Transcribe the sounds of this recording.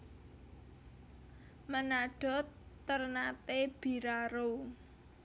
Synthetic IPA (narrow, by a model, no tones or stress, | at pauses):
mənaɖ̥ɔ̤t̪ː | ərnat̪eb̥i̤ɾaɾo